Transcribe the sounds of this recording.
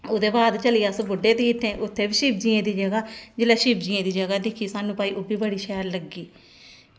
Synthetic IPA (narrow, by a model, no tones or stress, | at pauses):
oːd̪eːbaːd̪t͡ʃəlijaːsbʊɖeːd̪eːɪt̪ʰːẽːʔʊt̪ʰːeːbiːʃɪːpd͡ʒiːẽːd̪iːd͡ʒəɡaːd͡ʒeːlaːʃɪːpd͡ʒiːẽːd̪iːd͡ʒəɡaːd̪eːkʰiːsaːnũːpaːiːʔobiːbəɽiːʃɛːəɾləɡːiː